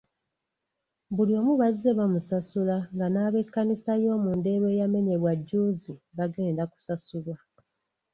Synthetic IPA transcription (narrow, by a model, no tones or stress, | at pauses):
βuljo̞ːmuβaze̞βamusasulaŋɡanaːβe̞kːanisajo̞ːmuːnde̞ːβe̞ːjame̞ɲe̞βwaɟːuːziβaɡe̞ːndaku̥sasulwa